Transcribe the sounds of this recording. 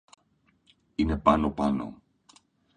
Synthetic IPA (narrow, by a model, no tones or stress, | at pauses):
ine̞pɐno̞pɐno̞̰